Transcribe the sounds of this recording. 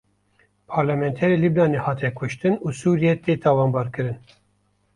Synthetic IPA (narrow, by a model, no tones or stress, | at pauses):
pʰɑːɾlamɛnt̪ʰɛɾelibnɑːnehɑːt̪ʰɛkʷʰʊʃt̪ɨnusuːɾijɛt̪eːt̪ʰɑːwɑːnbɑːɾkɨɾɨn